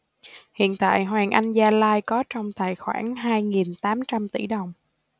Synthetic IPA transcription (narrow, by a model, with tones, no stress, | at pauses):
hḭ˧˨ənt̪a̰ː˧˨jɦwaː˨˩ŋʔa˧jŋzaː˧laː˧jkɔ˨˦t͡ɕɔ˧wŋ͡mt̪a̰ː˧˨jxwa̰ː˧˩nɦaː˧jŋi˨˩nt̪aː˨˦mt͡ɕa˧mt̪i˧˩ɗə˨˩wŋ͡m